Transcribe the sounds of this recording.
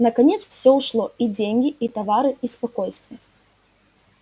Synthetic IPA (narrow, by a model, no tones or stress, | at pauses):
nɐkɐnʲet̪sfsʲɔuʂlˠɔid͡zʲenʲɡʲiit̪ɐvaɾɨispakɔjst̪vʲɪ